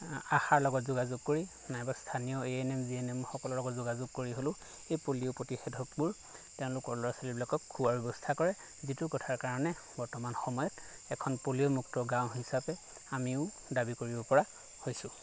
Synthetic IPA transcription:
axaɹlɔɡɔtzuɡazʊɡ̚koɹi | najbastʰanijɔeɛnɛmziɛnɛmxɔkɔlɔlɔɡɔtzuɡazʊɡ̚koɹiɦolʊ̃ | ejpoliopɹotixɛdʱɔk̚buɹ | tɛʊ̃lʊkɔɹlɔɹasɔlibilakɔkʰːuwaɹbɛbɔstʰakɔɹɛ | zitʊkɔtʰaɹkaɹɔnɛ | bɔɹtɔmanxɔmɔjɔt | ɛkʰɔnpolijɔmuk̚tɔɡãwʊ̃ɦisapɛ | amiʊ | dabikoɹibɔpɔɹa | hojsʊ

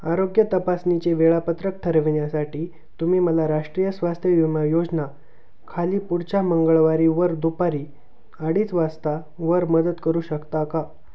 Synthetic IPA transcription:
aɾoɡjət̪əpasnit͡ɕeʋeɭapət̪ɾək̚ʈ̪ʰəɾʋiɳjasaʈiː | t̪umiːməlaɾaʂʈɾijəsʋast̪ʰjəʋimajod͡zna | kʰaliːpuɽt͡ɕaməŋɡəɭʋaɾiːʋəɾd̪upaɾiː | aɽiːt͡sʋast̪a | ʋəɾməd̪ət̪kəɾuːɕəkt̪aka

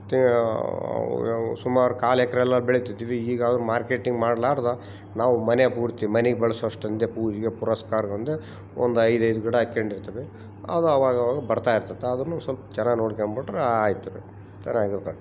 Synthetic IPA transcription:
t̪iɡ̰ | sumaːɾukaːlɛkːɐɾɛlːɐbeɭit̪id̪iʋiːɡaːd̪ɐɾumaːɾkeːʈːiŋɡmaːɽlaːɾd̪a | naːʋumɐnepuːɾt̪iʋimɐniɡbɐɭɐsɐʂʈɐnd̪epuːd͡ʒiɡepuɾɐskaːɾɐɡɐnd̪e | o̰nd̪uɐjd̪ɐjd̪uɡɐɽɐɐkːeɳɖiɾt̪ɐʋe | ɐ̰d̪uɐʋaːɡɐʋaːɡɐbɐɾt̪aːjiɾt̪ɐt̪ːeɐd̪ɐnːusʋɐlpɐ̥t͡ʃɐnːanoːɽkembɐʈɾuaːjit̪ːɐʋe | t͡ʃɐnaːɡiɾt̪ɐ

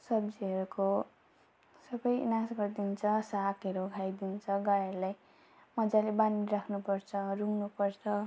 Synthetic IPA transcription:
sʌbd͡ziʌɾuko | sʌbʌj̰nasɡʌrd̪int͡sʰʌsakʌɾukʰajd̪int͡sʰʌɡajʌɾulaj | mʌd͡zalebanirakʰnupʌrt͡sʰʌruŋnupʌrt͡sʰʌ

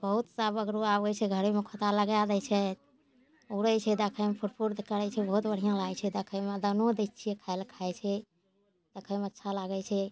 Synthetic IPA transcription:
bəɦut̪sabəɡɾuabɡət͡ʃʰɛɡʱəɾemekʰot̪aləɡjad̪ɛt͡ʃʰɛ | uɾəjt͡ʃʰɛd̪əkʰəjmepʰuɾpʰuɾd̪ʱkəɾɛt͡ʃʰɛbəɦut̪bəɽ̤ijãlaɡt͡ʃʰɛd̪əkʰəjmed̪ənod̪et͡ʃʰijekʰaelkʰajt͡ʃʰɛ | d̪̥əkʰəjmeətːʃʰalaɡɛt͡ʃʰɛ

